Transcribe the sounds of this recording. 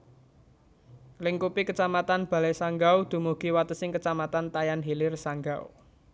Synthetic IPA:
liŋkupikət͡ʃamat̪anb̥ä̤lɛsaŋɡawd̪̥ṳmuɡ̥i̤wat̪əsɪŋkət͡ʃamat̪ant̪ajanɦilɪrsaŋɡaṵ

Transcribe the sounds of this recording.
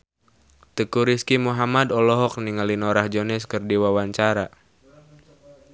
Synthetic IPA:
t̪əkuɾiskimuɦamadɔlɔɦɔk̚niŋalinɔɾahd͡ʒɔnɛskɨrdiwawaɲt͡ʃaɾa

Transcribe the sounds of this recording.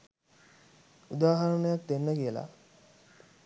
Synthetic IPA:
ud̪aːɦaɾəɳəjak̚d̪enːəkijəla̰

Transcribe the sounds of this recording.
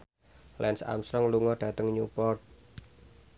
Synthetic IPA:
lʔɛnsa̰msɾɔŋluŋɔɖ̥ä̤t̪əŋɲupɔrt̪̚

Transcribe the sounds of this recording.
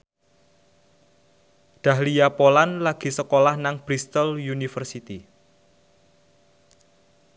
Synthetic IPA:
d̪̥ä̤hliapolanlaɡ̥i̤səkolahnaŋb̥ɾist̪əljunifərsit̪i

